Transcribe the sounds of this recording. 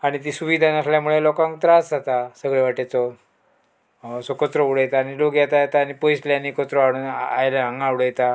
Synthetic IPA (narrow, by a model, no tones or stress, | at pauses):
aɽ̃it̪̬isuʋid̪ʱanəsljamuɭelɔkãŋkt̪ɾasd͡zat̪asəɡɭeʋaʈat͡sɔ | sɔkɔt͡sɾɔuɽəjt̪aːniloɡjat̪ajet̪aːnipojsljanːikɔt̪ɾɔaɽ̃uːnajlaaŋɡãuɽəjt̪a